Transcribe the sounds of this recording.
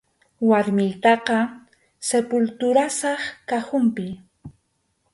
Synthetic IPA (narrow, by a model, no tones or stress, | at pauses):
waɾmɪlt̪ɑqɑ | sepʊlt̪ʊɾasɑχkaxʊmpɪ